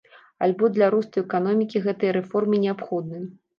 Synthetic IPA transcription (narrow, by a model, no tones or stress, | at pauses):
alʲbɔd̪lʲaɾust̪ɐjɛkan̪ɔmʲikʲiɣɛt̪ɨjɐɾɛfɔrmɨnʲɛapxɔd̪̚nɨjɐ